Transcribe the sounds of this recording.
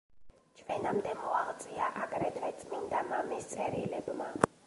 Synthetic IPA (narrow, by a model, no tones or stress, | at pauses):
t͡ʃʰvɛnamd̪ɛmɔalˠt̪sʼiaʔaɡɾɛd̪vɛt̪sʼmind̪amamist̪sʼɛɾilɛbma